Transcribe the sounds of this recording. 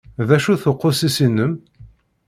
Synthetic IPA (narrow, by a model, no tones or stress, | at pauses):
ðæʃuθoqːʊsisinəm